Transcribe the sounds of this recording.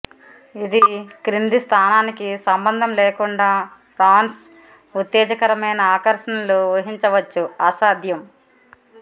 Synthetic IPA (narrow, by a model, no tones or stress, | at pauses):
id̪ikɾind̪ist̪ʰaːnaːnikisɐmbɐnd̪ʱɐmlɛːkuɳɖaːpʰɾaːns | ut̪ːɛːd͡ʒɐkɐɾɐmɐjnɐaːkɐɾʂɐnɐluʋɐɦiɲt͡ʃɐʋɐt͡ʃːuaːsaːd̪ʱjɐm